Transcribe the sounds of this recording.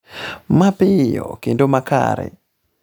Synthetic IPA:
mapɪjɔkendomaka̰ɾɛ̰

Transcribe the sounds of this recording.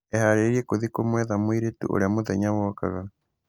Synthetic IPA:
ehaɾeɾiekoðikomwɛðamoiɾetṵʔo̰ɾeamoðɛɲaβɔka̰ɣa

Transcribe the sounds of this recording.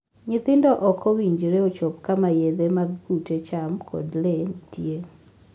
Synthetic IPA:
ɲɪt̪ɪndɔʔɔkʰɔwiɲd͡ʒɾeot͡ʃɔpkamajeðemaɡkutet͡ʃamkʰɔ̰dlenitje

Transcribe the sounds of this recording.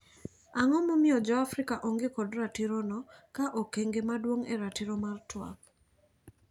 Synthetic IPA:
aŋɔmɔmɪɔd͡ʒɔafɾɪkaʔoŋɡekɔdɾatiɾɔnɔkaʔokeŋɡemadwoŋeɾatiɾɔmartwa̰k

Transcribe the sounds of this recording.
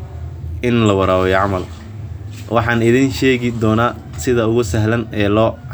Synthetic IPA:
ʔɪnlɐwɐɾaːwɛjʕɑmɐl | wʔɑħɑːnɪðiːnʃɛːɣɪd̪ɔːnaː | sɪðɐʊɣʊsɐɦlɐnɛːlɔː

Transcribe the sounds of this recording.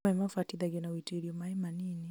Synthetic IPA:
ɛmafatiðaɡɛnawitiɾiɔmaɛmanini

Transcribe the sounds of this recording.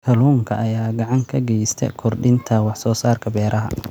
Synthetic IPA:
k̪ʰɐluːŋkʰɐʔɐjaːɡɑʕɑŋkʰɐɡɛjst̪ʰɛ̰kʰɔrɖɪnt̪ʰɐwɑħsɔːsaːrkʰɐbɛːɾʔɐɦɐ̰

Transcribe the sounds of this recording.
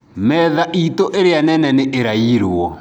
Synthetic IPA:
mɛðaʔitoʔeɾeanɛnɛneʔeɾaiɾɔ

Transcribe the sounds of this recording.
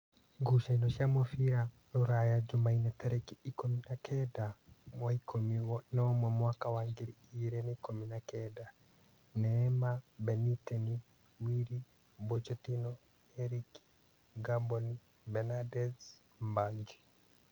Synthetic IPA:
ɡuʃainɔʃiamɔfia | ɾuɾajad͡ʒumainɛtɛɾɛkiikominakʰɛdawaikʰomiwɔnɔmwɛmwakawaŋɡeɾiiɾɛnɛikominakɛda | nɛːmabɛnitɛni | wiɾi | bɔt͡ʃɛtinɔ | ɛɾik | ɡabɔn | bɛnadɛz | mbaŋd͡ʒi̥

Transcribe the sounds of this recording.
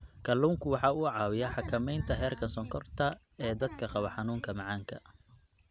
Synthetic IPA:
kʰɐluːŋkʰʊwɑħɑːʊʕɑːwɪjɐħɑkʰɐmɛjnt̪ʰɐɦɛːrkʰɐnsɔŋkʰɔrt̪ʰɐ | ɛːd̪ɐd̪kʰɐqɑβɐħɑnuːŋkʰɐmɑʕɑːŋkʰɐ̰

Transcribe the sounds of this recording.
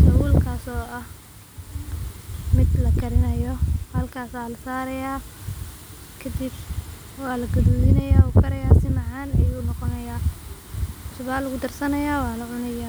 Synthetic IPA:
sɐwuːlkʰaːsɔːʔɐh | mɪd̪lɐɡɐɾɪnɐjɔhɐlkʰaːsaːlɐsaːɾɐjaː | kʰɐd̪ɪb | wɑːlɐɡɐðuːðɪnɐjaːʊkʰɐɾɐjaːsɪmɑʕaːnɛjʊnɔqɔnɐjaː | ʊsʊβaːlʊɣʊd̪ɐrsɐnɐjaːwɑːlɐʕʊnɐjaː

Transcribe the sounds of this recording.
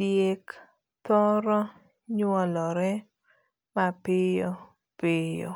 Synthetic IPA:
djek | t̪ɔɾɔ | ɲwɔlɔɾɛ | mapɪjɔ | pɪjɔ̰

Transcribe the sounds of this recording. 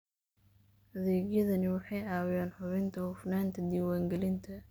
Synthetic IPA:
hɐðɛːɡjɐðɐnɪwɑħɑjaːwɪjaːnħʊβɪnt̪ʰɐhʊfnaːnt̪ʰɐd̪iːwaːŋɡɛlɪnt̪ʰɐ

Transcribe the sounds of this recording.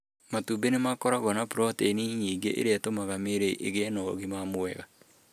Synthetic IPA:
matubenemakɔɾaɣɔnapuɾɔteniɲiːŋɡeʔḛɾeatomaɣameɾeʔḛɣenɔɣimamoɛ̰ɣa

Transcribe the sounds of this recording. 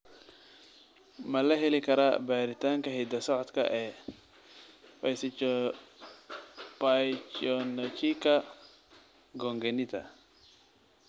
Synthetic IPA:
mɐlɐɦɛlɪkʰɐɾa̰baːɾɪt̪ʰaːŋkɐɦid̪ɐsɔʕɔt̪kʰɐ̰ʔɛː | pɐs | pat͡ʃɔnɐt͡ʃikɐ | ɡɔŋɡɛnɪt̪ʰɐ̰

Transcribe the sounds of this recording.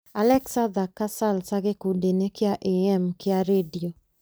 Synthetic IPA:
alɛksad̪akasalsaɣekudenɛkɪaʔeɛmkɪaɾedio

